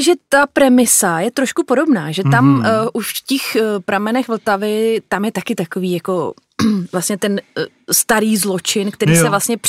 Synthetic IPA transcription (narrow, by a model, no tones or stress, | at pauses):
ʒɛt̪apɾɛmɪsajɛt̪ɾoʃkupo̞do̞bnaːʒɛt̪amʔuʃfcɛxpɾamɛnɛxvl̩t̪avɪt̪amjɛt̪akɪt̪ako̞viːjako̞ | vlast̪ɲɛt̪ɛn | st̪aɾiːzlo̞t͡ʃɪnkt̪ɛɾiːsɛvlast̪ɲɛp